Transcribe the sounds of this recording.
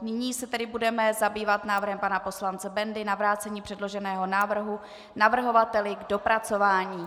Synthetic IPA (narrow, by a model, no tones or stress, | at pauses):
nɪɲiːsɛt̪ɛdɪbudɛmɛzabiːvat̪naːvr̩ɦɛmpanapo̞slant͡sɛbɛndɪnavɾaːt͡sɛɲiːpr̥ɛdlo̞ʒɛnɛːɦo̞naːvr̩ɦu | navr̩ɦo̞vat̪ɛlɪɡdo̞pɾat͡so̞vaːɲiː